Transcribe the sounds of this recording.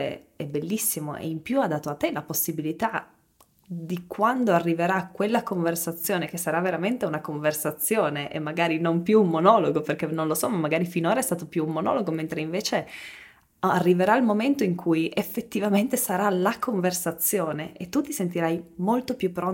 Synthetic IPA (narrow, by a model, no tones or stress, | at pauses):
ḛɛbelːisːimo̰ʔḛimpjuad̪ːaːt̪oat̪ːelaposːibilit̪a | d̪ikwand̪oarːiveɾakːwelːakoɱversat̪sːjoːnekesːaɾaveɾament̪eunakoɱversat̪sːjoːneʔḛmːaɡaːɾinompjuummonɔːloɡoperk̟enːõnlosɔmamːaɡaːɾifinoːɾaɛst̪aːt̪opjuːmːonɔ̰loɡoment̪ɾeiɱveːt͡ʃe | arːiveɾailmoment̪oiŋkʰujefːet̪ːivament̪esaɾalakoɱversat̪sːjoːneʔet̪ːut̪ːisent̪̬iɾajmolt̪opjupːɾo